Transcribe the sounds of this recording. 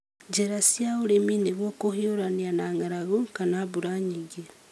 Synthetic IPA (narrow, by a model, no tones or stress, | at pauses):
d͡ʒeɾasjaβuɾemineβwokohioɾanianaːŋaɾaɣokanaβuɾaɲiɡi